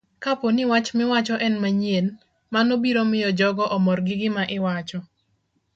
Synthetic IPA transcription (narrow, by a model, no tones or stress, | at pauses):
kaponɪwat͡ʃmɪwat͡ʃɔʔɛnmaɲen | manobiɾomɪjɔd͡ʒɔɡɔʔɔmɔrɡɪɡɪmaʔɪwat͡ʃɔ